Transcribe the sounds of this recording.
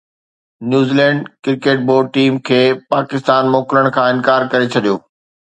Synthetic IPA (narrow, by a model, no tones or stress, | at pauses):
njuːziːlɛ̃ːɳɖkɪɾkeːʈ̚boːɖʈiːmkʰeːpaːkɪst̪aːnmoːkɪləɽ̃kʰãːɪ̃nkaːɾkɐɾet͡ɕʰɐɗijoː